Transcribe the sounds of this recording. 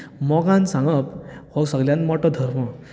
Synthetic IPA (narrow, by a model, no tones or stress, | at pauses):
mɔɡãnsãŋɡəphɔɡsəɡljãnmɔʈɔd̪ʱəɾmɔ